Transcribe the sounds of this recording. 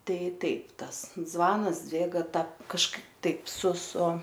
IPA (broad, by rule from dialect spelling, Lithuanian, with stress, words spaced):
ˈtɐɪ ˈtɐɪp ˈtɐs ˈzʋɑːnɐs ˈd͡zʲʋʲeːɡɐ tɐ kɐʃˈkɐɪp ˈtɐɪp sʊ sʊ